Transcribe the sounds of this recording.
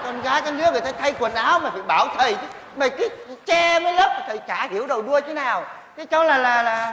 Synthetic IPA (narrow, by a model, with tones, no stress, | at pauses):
kɔ˧nɣaː˨˦jkaː˨˦knɨ˦˥əvḭ˨˩t̪ʰə˨˦jt̪ʰa˧jkwə˨˩nʔaː˨˦wmaː˨˩ɓḭ˧˨ɓaː˧˩wt̪ʰə˨˩jt͡ɕɨ˨˦ | maː˨˩kaː˨˦jt͡ɕɛ˧məː˨˦jləː˦˥p̚t̪t̪ʰə˨˩jt͡ɕaː˧˩hi˧˩əwɗə˨˩wɗu˧əj̪ʰe˨˦naː˨˩w | ka˨˦jt͡ɕɔ˨˦wlaː˨˩laː˨˩laː˨˩